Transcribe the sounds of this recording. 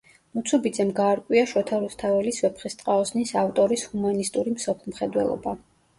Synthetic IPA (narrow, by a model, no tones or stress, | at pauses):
mut̪sʰubid̪zɛmɡaːɾkʼwiaʃɔt̪ʰaɾust̪ʰavɛlisvɛpʰχist̪ʼqʼaɔsnisaft̪ʼɔɾishumanist̪ʼuɾimsɔpʰlˠmχɛd̪wɛ̰lˠɔ̰ba